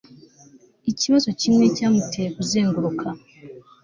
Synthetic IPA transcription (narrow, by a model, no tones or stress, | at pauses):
iciβazo̞cimwe̞ːcamutʰekuzeːŋɡuɾokʰa